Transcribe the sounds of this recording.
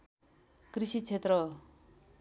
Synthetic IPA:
krisit͡sʰet̪ɾʌ

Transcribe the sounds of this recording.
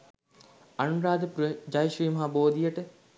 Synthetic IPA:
ɐnuɾaːd̪əpɾd͡ʒajʃiːmɐɦaboːd̪ijəʈə

